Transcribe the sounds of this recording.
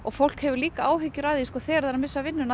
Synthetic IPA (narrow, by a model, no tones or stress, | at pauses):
ɔɣfowl̥khɛvʏɾliːkaaːwɦɪcːʏɾaðiskɔθɛːɛɾðaɾamɪsːavɪnːʏna